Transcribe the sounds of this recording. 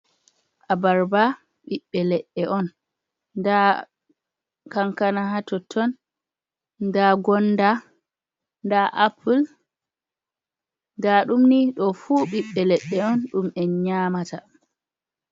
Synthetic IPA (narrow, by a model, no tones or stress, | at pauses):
ʔabaɾba | ɓiɓːɛlɛɗːɛʔɔn | da | kaŋkanahatɔtʰɔn | daɡɔnːda | ndaʔapʰul | ndaɗumniɗɔfuɓiɓːɛlɛɗːɛɔnɗumɛɲaːmata